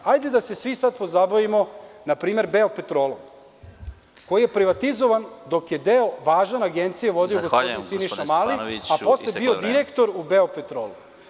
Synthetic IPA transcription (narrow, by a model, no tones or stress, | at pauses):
ajd̪e̞d̪ase̞sʋisad̪̚po̞zabaʋimo̞napɾiːme̞ɾbeope̞t̪ɾoːlˠo̰m | ko̞jijepɾiʋat̪izoʋand̪o̞kje̞d̪eoʋaːʒanaɡent̪sijeʋo̞d̪ioɡospod̪insiniʃamaliapo̞slebiod̪iɾe̞kt̪o̞ɾubeopet̪ɾoːlu